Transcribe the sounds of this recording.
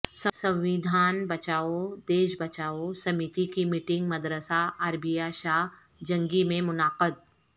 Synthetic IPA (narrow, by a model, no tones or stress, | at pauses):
sɐ̃sɐ̃wʋɪd̪ʱaːnbɐt͡ʃaːod̪eːʃbɐt͡ʃaːosɐmit̪ikimiʈɪ̃ŋɡmɐd̪ɾəsaaːɾbijaʃaː | d͡ʒɐ̃ŋɡimẽmʊnaːqəd̪̚